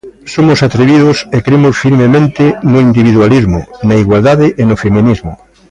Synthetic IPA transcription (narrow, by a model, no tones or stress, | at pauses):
somʊsat̪ɾeβiðʊsekɾemʊsfiɾmemẽnt̪ɪnʊind̪iβ̞iðwalizmʊ̰nɐiɣwald̪aðɪʔenʊfemĩnizmʊ̰